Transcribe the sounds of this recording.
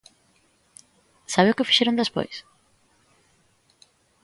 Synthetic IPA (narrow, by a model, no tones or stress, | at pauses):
saβewkɪfi̥ʃeɾõnd̪espo̰js